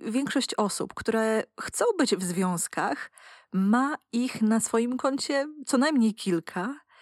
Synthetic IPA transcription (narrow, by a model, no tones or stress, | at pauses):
vʲjɛŋkʂɔɕt͡ɕɔsṵpkt̪uɾɛxt̪sɔ̃w̃bɘd͡ʑvzvʲjɔ̃w̃skʰaxmaixnasfɔjimkɔɲt͡ɕɛt̪sɔnajmɲejkʲʰilkʰa